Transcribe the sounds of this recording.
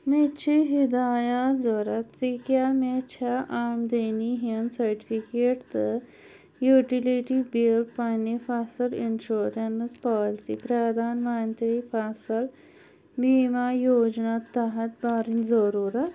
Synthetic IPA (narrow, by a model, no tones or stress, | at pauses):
met͡ɕʰiɦid̪ajat̪d͡zɔɾat̪ːikjamet͡ɕʰaʔamd̪eniɦensəɾʈifikeʈt̪ə | juʈiliʈibilpanefasəlinʂoɾenəspɔlsḭpɾad̪ʱaːnmant̪ɾiːfasəl | bimajod͡ʑnat̪ːaɦat̪baɾind͡zəɾuɾat̪